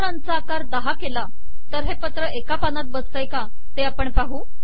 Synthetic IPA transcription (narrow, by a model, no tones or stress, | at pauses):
ɾant͡saːkaɾd̪aɦakela | t̪əɾɦepət̪ɾəekapanat̪̚bəst̪əjka | t̪eapəɳpaɦuː